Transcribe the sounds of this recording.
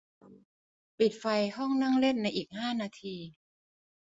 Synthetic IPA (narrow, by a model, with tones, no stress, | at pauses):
pi˨˩t̪̚fa˧jhɔ˥˩ŋna˥˩ŋle˥˩nːa˧jʔiː˨˩k̚haː˥˩naː˧t̪ʰiː˧